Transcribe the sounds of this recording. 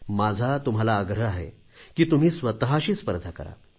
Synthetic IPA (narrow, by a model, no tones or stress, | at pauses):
mad͡zʱat̪umɦalaːɡɾəaɦḛ | kiːt̪um̤iːsʋət̪əɦaɕiːspəɾd̪ʱakə̰ɾa̰